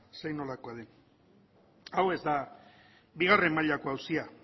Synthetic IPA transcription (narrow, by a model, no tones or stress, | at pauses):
sejno̞lakoaðe | awe̞zd̪a | biɣ̞are̞mːaʎako̞awsia